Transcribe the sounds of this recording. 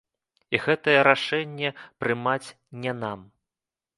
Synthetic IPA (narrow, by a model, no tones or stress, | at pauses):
iɣɛt̪ɐjɛɾaʂɛnʲːɛpɾɨmat͡sʲ | nʲɛnam